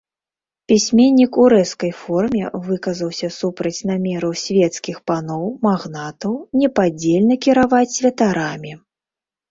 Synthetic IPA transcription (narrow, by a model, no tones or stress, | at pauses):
pʲisʲmʲenʲːikuɾɛskɐjfɔrmʲɛ̰vɨkɐzɐwsʲɐsupɾɐt͡sʲnamʲɛɾɐwsʲvʲɛt̪skʲixpanɔwmaɣnat̪ɐwnʲɛpad͡zʲelʲnɐkʲiɾavat͡sʲsʲvʲɐt̪aɾamʲi